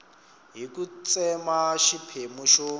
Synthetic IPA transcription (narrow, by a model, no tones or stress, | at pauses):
ɦikut͡sʼɛmaʃipʰemuʃo